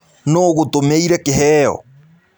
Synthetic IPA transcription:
noɣotomeiɾɛkeɦɛɔ̰

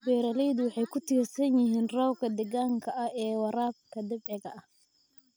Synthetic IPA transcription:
bɛːɾɐlɛjðʊwɑħɑjkʰʊt̪ʰiːrsɐnjɪɦiːnrɔwkʰɐd̪ɛɣaːŋkʰɐʔɐhɛːwɐɾaːb̚kʰɐd̪ɪbɛɣɐʔɐh

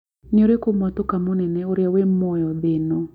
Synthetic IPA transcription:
nioɾekomɔt̪okamonɛnɛoɾjawemɔjɔdɪnɔ

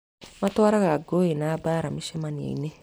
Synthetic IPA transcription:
matwaɾaɣaɡoenaːbaːɾamiʃemaniḛḭne

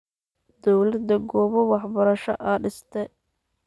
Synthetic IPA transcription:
d̪̥ɔwlɐd̪ɐɡɔːβɔwɑħbɐɾɐʃɐ̰ʔɐɖɪst̪ʰɛ

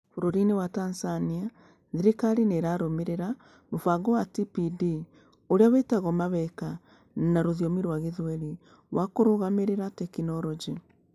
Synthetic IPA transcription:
foɾoɾinewatansania | ðiɾikaɾineɾaɾomeɾeɾa | mofaɣɔwatipidi | oɾeawetaɣɔmaβɛka | naɾoðiɔmiɾwaɣeðɛɾi | wakoɾoɣameɾeɾatɛkinɔɾɔd͡ʒi

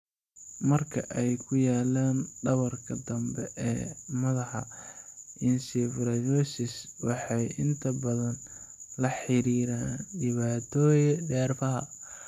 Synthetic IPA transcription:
mɐrkʰɐʔɛjkʰʊjaːlaːnɖɐβɐrkʰɐd̪ɐmbɛʔɛːmɐðɑħɑ | ʔɪnsɪfɾɐjɔsɪswɑħɑjʔɪnt̪ʰɐbɐðɐn | lɐħɪɾiːɾaːnɖɪβaːt̪ʰɔːjɛɖɛːrfɐɦɐ

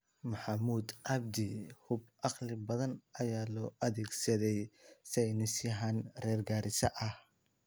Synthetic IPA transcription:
mɐħɑmuːd̪ʕɑb̚d̪ɪhʊbʔɑqlɪbɐðɐnɐjaːlɔːʔɐðɛːɡsɐðɛjsɐjnɪsjɐɦɐnrɛːrɡaːɾɪsɐʔɐh

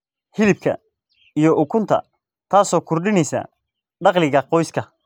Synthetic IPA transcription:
hɪlɪb̚kʰɐ̰ | ijɔʔʊkʰʊnt̪ʰɐ̰ | t̪ʰaːsɔːkʰʊrɖɪnɛjsa̰ː | ɖɑqlɪɣɐqɔjskʰɐ

